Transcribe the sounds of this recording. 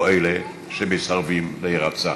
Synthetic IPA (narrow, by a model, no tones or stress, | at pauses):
ele | ʃemesaʁvimleiʁat͡sa